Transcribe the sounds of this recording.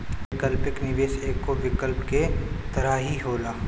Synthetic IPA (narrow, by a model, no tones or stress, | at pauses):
ʋɪkəlpɪknɪʋeːʃeːkːoʋɪkəlpket̪ɐɾaːɦiɦoːlaː